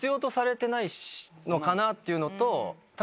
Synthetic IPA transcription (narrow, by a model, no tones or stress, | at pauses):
ɨjoːt̪o̞saɾe̞t̪e̞naino̞kanat̪ːe̞iɯ̟no̞t̪o̞t̪